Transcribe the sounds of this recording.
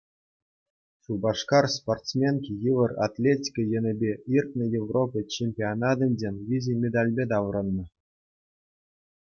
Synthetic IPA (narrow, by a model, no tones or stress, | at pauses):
ɕubɑʂkɑrsport̪t͡smʲenkʲijɯʋɤ̆ra̰t̪ʲlʲetʲi̥kʲəjɘ̆nʲɘ̆bʲeirt̪̚nɤ̆jevropʲɤt͡ɕemʲpʲionɑd̪ɤ̆nʲdʲenʲvʲizʲemʲed̪alʲbʲed̪ɑʋ̆ɾɤ̆nːɤ̆